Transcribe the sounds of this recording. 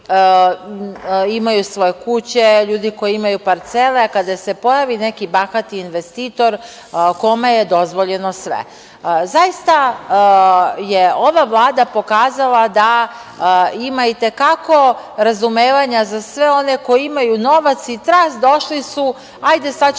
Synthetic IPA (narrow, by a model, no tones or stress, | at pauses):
imajusʋo̞jekut͡ɕeʎuːd̪ikojiimajupaɾt̪selekad̪asepo̞jaʋine̞kibaxat̪iːnʋest̪iːt̪o̞ɾ | ko̞mejed̪o̞zʋo̞ʎenosʋḛ | zajist̪a | jeo̞ʋavlˠaːd̪apo̞kaːzalad̪a | imait̪e̞kako̞ | ɾazumeːʋaɲazasʋeo̞ne̞ko̞jiimajuno̞ʋat̪sit̪ɾasd̪o̞ʃlisu | ajd̪e̞sad̪